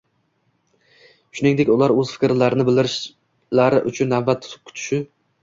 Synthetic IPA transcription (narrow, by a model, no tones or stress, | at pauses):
ʃʊnɪŋd̪ekʲʊlˠaɾɵz̥fɪ̥kʲɾlaɾɪnɪbɪld̪ɪɾɪʃ | laɾɪʔʊt͡ʃʰʊnːavbat̪ʰːʊ̥t̪ʰɪ̥p̚kʰʊt̪ʰɪ̥ʃɪ